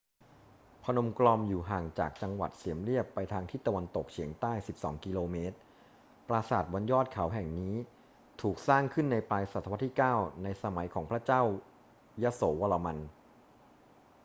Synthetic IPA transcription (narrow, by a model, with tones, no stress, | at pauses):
pʰa˧no˧mklɔː˧mjuː˨˩ɦaː˨˩ŋt͡ɕaː˨˩k̚t͡ɕa˧ŋwa̰˨˩t̪̚si˩˦əmli˥˩əpːa˧jt̪ʰaː˧ŋt̪ʰiː˥˩t̪a˧wa˧nt̪o˨˩k̚t͡ɕʰi˩˦əŋt̪aː˥˩jsi˨˩p̚sɔ̰ː˩˦ŋki˧loː˧meː˦˥t̪̚ | pɾaː˧saː˨˩t̪̚wa˧njɔː˥˩t̪̚kʰa˩˦wɦɛ˨˩ŋniː˦˥ | t̪ʰuː˨˩k̚saː˥˩ŋkʰɯ˥˩nːa˧jplaː˧jsa˨˩t̪ʰːa˧wa˦˥t̪ʰiː˥˩kaː˥˩wna˧jsa˧ma˩˦jkʰɔː˩˦ŋpʰɾa˦˥t͡ɕaː˥˩w | ja˦˥soː˩˦wa˧la˧ma˧n